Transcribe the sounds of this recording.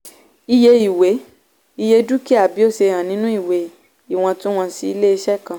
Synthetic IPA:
i˧je˧i˨we˨˦ | i˧je˧du˦ki˦a˨bi˨˦o˦sẽ˧ã˨nĩ˨˦nũ˦i˦˨we˨˦ | i˦˨w̃ɔ̃˧tũ˦w̃ɔ̃˧si˧i˦le˦e˧ʃɛ˦kã˧˦

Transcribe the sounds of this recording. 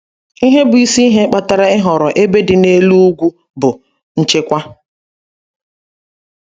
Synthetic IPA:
i˦ɦe˦bʊ˨i˦si˦ɦe˦k͡pa˨ta˨ɾa˦ɪ˦ɦɔ˨ɾɔ˨ʔe˦be˦dɪ˨ne˦lu˦u˦ɡʷu˦ | bʊ˨ | n̩˨t͡ʃe˦kʷa˦

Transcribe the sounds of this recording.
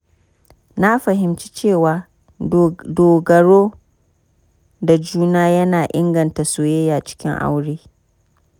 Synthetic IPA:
na˦ɸɐ˨ɦɪ˨mt͡ʃi̥˦t͡ʃeː˦˨waː˨ | doː˨ɡɐ˨ɽoː˦ | da˨d͡ʒuː˦naː˦jɐ˦naː˨ʔɪ̰˦ŋɡɐ˨nta˨soː˨je˦jaː˨t͡ʃɪ̥˦kʲɪ̰˦ŋʔa̰˦wɽeː˦

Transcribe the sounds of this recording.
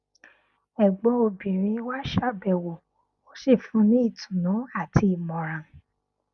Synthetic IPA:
ɛ˨ɡ͡bɔ˨˦o˧bĩ˨ɾ̃ĩ˧˦wa˦ʃa˦˨bɛ˨wo˨ | o˦ʃe˦˨fũ˨˦nĩ˦i˦˨tʰũ˨nũ˨˦a˦˨tʰi˧i˨mɔ̃˨ɾã˨

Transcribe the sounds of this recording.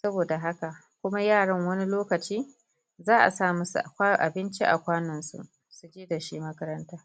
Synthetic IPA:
sɐ˦boː˨da˨ɦa˦ka˨ | kʷʊ˦ma˦jaː˦˨ɽɐ˦ŋwɐ˦ni˦loː˦kɐ˨t͡ʃiː˦ | zaː˦ʔa̰˨saː˦˨mu˦sṵ˨ʔʔa˨bɪ˦nt͡ʃi˦ʔa̰˨kʷaː˦nɔ˨nsṵ˦ʔ | su˦d͡ʒeː˦da˨ʃi˦mɐ˦kɐ˦ɾɐ˦ntaː˦

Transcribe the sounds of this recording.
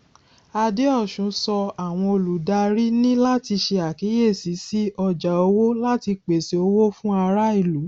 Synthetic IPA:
a˧de˦ɔ˦˨ʃũ˨˦sɔ˧a˨w̃ɔ̃˧o˧lu˨da˧ɾi˦nĩ˦la˦ti˧ʃe˧a˨ki˨˦je˦˨si˨˦si˦ɔ˧d͡ʒa˨o˧wo˦la˦ti˧k͡pe˨se˨o˧wo˦fũ˦a˧ɾa˦i˦˨lu˨˦

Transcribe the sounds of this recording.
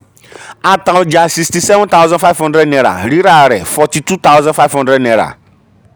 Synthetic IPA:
a˨tã˨wd͡ʒa˨si˨sti˨sɛ˦vɔ̃˦nt̪a˦wzã˦n˦fa˦ɪvhɔ̃˦ndɾɛ˦dnɛ˨ɾa̰˨ɾi˦ɾa˨ɾɛ˨fɔ˨ti˨tu˦t̪a˦wzãnfa˦vhɔ̃˦ndɾɛ˦dnɛ˨ɾa̰˨

